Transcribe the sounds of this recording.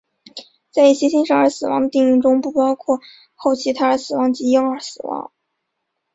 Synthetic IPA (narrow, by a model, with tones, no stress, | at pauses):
t͡sa˥˧ɪi˥˩ɕjɛ˥ɕi˥ŋʂɑ˥˩ŋə˞˧˥sɹ̩˨˩wɑ˧˥ŋd̪ə˧t̪i˥˧ŋy˥˩ŋʈ͡ʂʊ˥ŋpu˥˩pɑ˥ʊkʰwɔ˥˧ | xo˥˩ʊt͡ɕʰi˧˥t̪ʰa˥ə˞˧˥sɹ̩˨˩wɑ˧˥ŋt͡ɕi˧˥jɤ˥ŋə˞˧˥sɹ̩˨˩wɑ̰˧˥ŋ